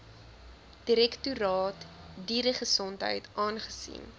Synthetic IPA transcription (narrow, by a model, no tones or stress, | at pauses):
d̥iɾɛktuɾɑːt | diːɾəχəsɔntɦə̰jtʔɑːnχəsḭn